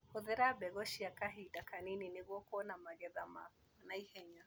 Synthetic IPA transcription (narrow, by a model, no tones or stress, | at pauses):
hɔðɛɾabɛɣɔʃiakaɦidakanininɪɣɔkɔnamaɣɛðama̰ | naihɛɲa